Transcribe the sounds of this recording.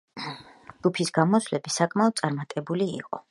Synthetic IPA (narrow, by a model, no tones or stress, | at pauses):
d͡ʒɡ̥upʰisɡamɔsvlɛbisakʼmaɔd̪̚sʼaɾmat̪ʼɛbulḭːqʼɔ̰